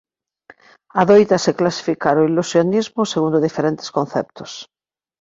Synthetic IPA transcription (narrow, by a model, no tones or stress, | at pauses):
aðojt̪aseklasi̥fikaɾoilusjonizmʊseɣ̞und̪oðifeɾẽnt̪e̥skon̟θɛp̚t̪ʊ̥s